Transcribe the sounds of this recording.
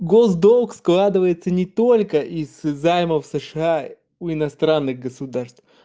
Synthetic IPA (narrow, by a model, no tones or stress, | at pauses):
ɡozd̪olˠksklˠad̪ɨvəjɪt̪sənʲɪt̪o̞lʲkəʔizːajməfsɨʂɨa | ʊɪnɐst̪ɾanːɨɣɡəsʊd̪arst̪f